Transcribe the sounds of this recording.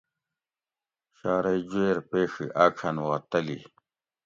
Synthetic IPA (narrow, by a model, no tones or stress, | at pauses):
ɕaːɾɐjd͡ʑweːɾpeːʂḭʔaːkʰɐnuʁɐt̪ɐli